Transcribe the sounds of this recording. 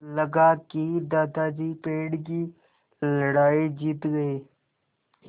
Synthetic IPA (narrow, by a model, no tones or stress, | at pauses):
ləɡakid̪aːd̪ad͡ʒiːpeːɽki | ləɽaːid͡ʒiːt̪ɡɐeː